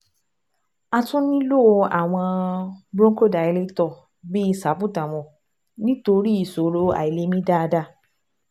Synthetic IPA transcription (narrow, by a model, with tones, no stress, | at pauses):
a˧tũ˦nĩ˦lo˦˧a̰˨w̃ɔ̃˧bɾõ˦ŋ˦ko˦˨da˨ɛ˧le˦tɔ˦˨ | bi˦i˧sa˨˦pu˦˨ta˨w̃ɔ̃˨ | nĩ˦to˧ɾi˦i˨so˨ɾo˨˦a̰˨i˨le˨˦mĩ˦da˦˧da˧˨